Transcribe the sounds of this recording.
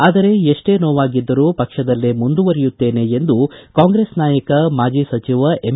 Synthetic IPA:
aːd̪ɐɾe̞eʂʈe̞ːnoːʋaːɡid̪ːɐɾuːpɐkʂɐd̪ɐlːemund̪uʋɐɾijut̪ːe̞ːne̞end̪ukaːŋɡɾe̞ːsnaːjɐkɐmaːd͡ʒisɐt͡ʃiʋɐem

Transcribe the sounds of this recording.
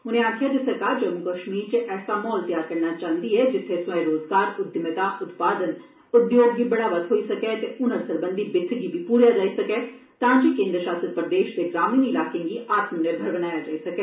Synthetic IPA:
ʊnẽːaːkʰjaːd̪esəɾkaːɾd͡ʒəmukəʃmiːɾt͡ʃəʔɛːsaːmɔːlt̪ɪjaːɾkəɾnat͡ʃãːənd̪iɛːd͡ʒɪt̪ʰːesaːeɾoːzɡaːɾʊd̪ɪmət̪aːʔʊt̪paːd̪ən | ʊɖijoːɖɡiːbəɽaːʋət̪ɦoːisəkɛːt̪eʊnəɾsəɾbənd̪ʱibɪt̪ʰːɡibʱipuːɾijaːd͡ʒaːisəkɛː | t̪ãːd͡ʒikẽːnd̪ɾəʃaːsət̪̚pɾəd̪eːʃd̪eːɡɾaːmiːnɪlaːkẽɡiʔaːt̪mənebʱəɾbəñaːjad͡ʒaːisɐkɛː

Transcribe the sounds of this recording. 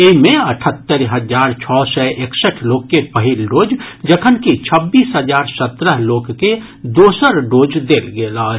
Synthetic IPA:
emẽəʈʰət̪ːəɾɦəd͡ʒaːɾt͡ʃʰɔːsɛʔeksəʈʰloːɡ̚kːepəɦilɖoːd͡ʒd͡ʒəkʰənkit͡ʃʰəbːiːsɦəd͡ʒaːɾsət̪ɾəɦloːɡke | d̪oːsəɾɖoːd͡ʒd̪eːlɡeːlaː

